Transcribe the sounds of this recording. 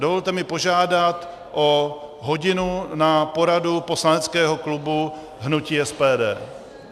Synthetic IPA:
dovo̞lt̪ɛmɪpo̞ʒaːdat̪ | ʔo | ɦo̞ɟɪnunapo̞ɾadupo̞slanɛt͡skɛːɦo̞klubu | ɦnuciːɛspɛːdɛː

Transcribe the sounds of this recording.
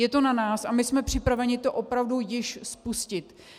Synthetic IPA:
jɛt̪o̞nanaːsamɪsmɛpr̝̥ɪpɾavɛɲɪt̪o̞ʔo̞pɾavdujɪʃspuscɪt̪

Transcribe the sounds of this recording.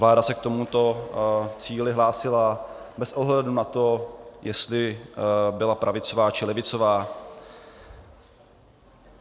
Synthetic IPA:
vlaːdasɛk̚t̪o̞mut̪o̞ | t͡siːlɪɦlaːsɪla | bɛsʔo̞ɦlɛdunat̪o̞jɛst̪lɪ | bɪlapɾʔavɪt͡so̞vaːt͡ʃɪlɛvɪt͡so̞vaː

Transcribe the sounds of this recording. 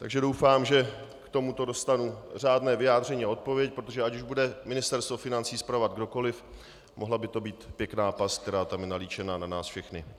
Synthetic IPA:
t̪aɡʒɛdowfaːmʒɛkt̪o̞mut̪o̞do̞st̪anur̝aːdnɛːvɪjaːd̪r̝ɛɲiːao̞t̪̚po̞vjɛc̚pɾot̪oʒɛacuʒbudɛmɪnɪst̪ɛɾst̪vofɪnant͡siːspɾavad̪̚ɡdo̞ko̞lɪf | mʔoɦlabɪt̪o̞biːt̪pjɛknaːpask̚t̪ɛɾaːt̪amjɛnaliːt͡ʃɛnananaːsfʃɛxnɪ

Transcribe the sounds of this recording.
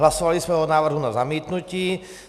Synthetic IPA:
lasovalisvɛːɦonaːvr̩ɦunazamiːt̪nuciː

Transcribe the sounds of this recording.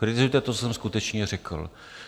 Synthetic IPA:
kɾɪt̪ɪzujɛt̪ɛt̪ot͡sosɛmskut̪ɛt͡ʃɲɛrɛkl̩

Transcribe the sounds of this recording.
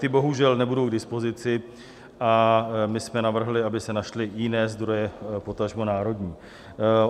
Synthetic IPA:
t̪ɪbo̞ɦuʒɛlnɛbudowɡdɪspo̞zɪt͡sɪ | ʔamɪsmɛnavr̩ɦlɪabɪsɛnaʃlɪjɪnɛːzd̪ɾo̞jɛpo̞t̪aʒmonaːɾo̞dɲiː

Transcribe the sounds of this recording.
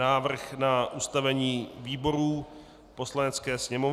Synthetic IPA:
aːvr̩xnaʔust̪avɛɲiːviːbo̞ɾuː | po̞slanɛt͡skɛːsɲɛmo̞v

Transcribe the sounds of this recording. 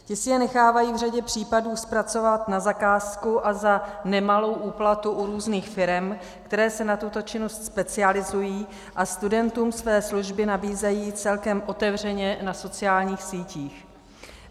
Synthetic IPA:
cɪsɪjɛnɛxaːvajiːvr̝aɟɛpr̝̥iːpaduːspɾat͡so̞vat̪nazakaːskuʔazanɛmalo̞wʔuːplat̪uʔuɾuːzniːxfɪɾɛm | kt̪ɛɾɛːsɛnat̪ut̪o̞t͡ʃɪnostspɛt͡sɪalɪzujiː | ʔast̪udɛnt̪uːmsvɛːsluʒbɪnabiːzɛjiːt͡sɛlkɛmʔo̞t̪ɛvr̝ɛɲɛnaso̞t͡sɪjaːlɲiːxsiːciːx

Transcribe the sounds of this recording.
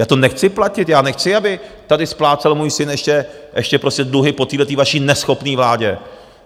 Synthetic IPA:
jaːt̪o̞nɛxt͡sɪplacɪt̪jaːnɛxt͡sɪabɪt̪adɪsplaːt͡sɛlmuːjsɪnɛʃcɛ | ʔɛʃcɛpɾoscʲɛdluɦɪpo̞t̪iːɦlɛt̪̬iːvaʃiːnɛsxo̞pniːvlaːɟɛ

